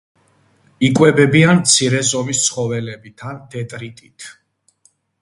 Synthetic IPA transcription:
ikʼwɛbɛbiant̪sʰiɾɛzɔmist̪sʰχɔvɛlɛbit̪ʰand̪ɛt̪ʼɾit̪ʼit̪ʰ

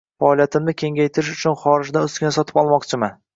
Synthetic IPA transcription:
faːlˠijat̪ʰɪmnɪkʲʰe̞ŋɡʲajt̪ʰɪɾɪʃʊt͡ʃʰʊnχɒɾɪd͡ʒd̪aʊskʲɪnasɒt̪ʰɪ̥pɒlˠmɒqt͡ʃʰɪman

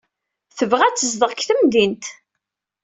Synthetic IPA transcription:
θəvʁæt͡sːəzðəʁkθəmðint̪

